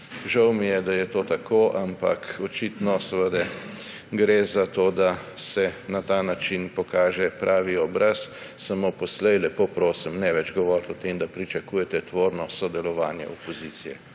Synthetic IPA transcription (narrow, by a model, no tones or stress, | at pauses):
ʒawmijɛd̪ajɛt̪oːt̪akʰoʔampa̰kɔt͡ʃit̪nɔsəʋəd̪ɛ | ɡɾezat̪od̪a | sɛnat̪anat͡ʃinpɔkaːʒɛpɾʔaːʋiɔbɾassamopɔslɛjlɛpopɾoːsimnɛʋɛd͡ʒɡɔʋɔɾt̪ɔt̪emd̪apɾit͡ʃɐkuːjɛt̪ɛt̪ʋoːɾnɔsɔd̪ɛlɔʋaːnjɛ̰ʔɔpɔziːt̪sijɛ̰